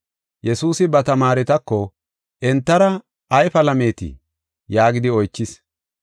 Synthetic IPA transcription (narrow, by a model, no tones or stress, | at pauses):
jɛsuːsɪbɐt̪ɐmaːɾɛt̪ɐkːɔ | ʔɛnt̪ːɐɾɐ | ʔɐjfɐlɐme̞ːt̪ɪ̰ | jaːɡɪd̪ɪɔjt͡ʃːɪs